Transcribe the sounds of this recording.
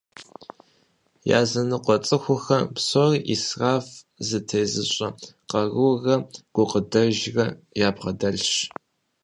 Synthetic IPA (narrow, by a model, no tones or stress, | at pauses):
ja̰ːzɐnɨqʷʼɔt͡sʼɨxʷʊxɐpsorʔisraːf | zɨtʰejzɨɕʷʼɐqɐɣɨwɣɐɡ̥ʷʊqədɐʒrɐjaːpʁɐdɐɮɕ